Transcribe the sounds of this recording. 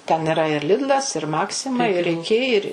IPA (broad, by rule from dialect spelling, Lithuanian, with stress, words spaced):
tʲɛn ɪˈrɐ ɪr ˈlʲɪdlˠɐs ɪr ˈmɑːksʲɪmɐ ɪr ɪˈkʲɪ ɪr